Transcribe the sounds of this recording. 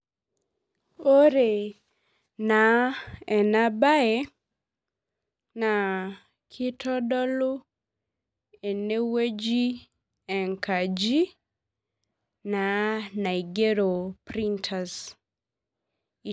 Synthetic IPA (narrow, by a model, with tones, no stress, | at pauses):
o˦ɾe˨ | na˨ɛ˨na˦ba˦ɛ˦ | na˨ | kʰi˦tʰɔ˦dɔ˦lu˦ | e˨ne˦we˦d͡ʒi˦ | ɛ˨ŋka˨d͡ʒi˦ | na˨na˨i˨ɡe˦ɾo˨pɾi˦ntʰas | i˨